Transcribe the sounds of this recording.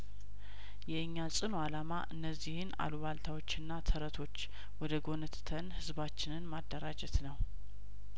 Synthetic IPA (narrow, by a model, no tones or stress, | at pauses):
jɛɨɲːasʼɨnoalamaʔɨnːəzːihɨna̰luβalt̪ʰawo̞t͡ʃːɨnːat̪ʰəɾət̪ʰo̞t͡ʃː | wɔd̪əɡo̞nət̪t̪ʰənhɨzbat͡ʃːɪnɨnmad̪ːəɾad͡ʒɛt̪nəw